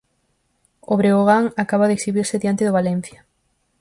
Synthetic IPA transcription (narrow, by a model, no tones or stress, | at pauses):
oβɾeoɣaŋakaβaðeksiβiɾsɪðijant̪ɪðʊβalen̟θja